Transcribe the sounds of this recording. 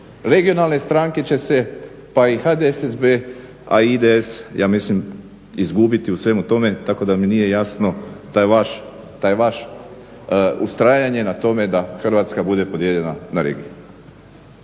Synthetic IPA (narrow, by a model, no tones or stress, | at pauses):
ɾe̞ɡio̞nalˠne̞st̪ɾaŋke̞t͡ɕe̞se̞ | paixad̪esezbe | aid̪eesjʔaːmislim | izɡubit̪iusʋe̞mut̪o̞me̞t̪ako̞d̪aminije̞jasno̞t̪aaʃ | t̪ajeʋaʃ | ust̪ɾaːjaɲe̞nat̪o̞me̞d̪axr̩ʋat̪skabud̪e̞po̞d̪jeʎe̞nanaɾe̞̰ɡiju